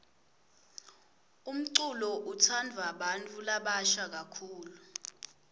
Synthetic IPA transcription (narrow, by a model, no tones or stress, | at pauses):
um̩ǀulɔʔutʰandʱwaɓantʼulaɓaʃak̬akʰuːlu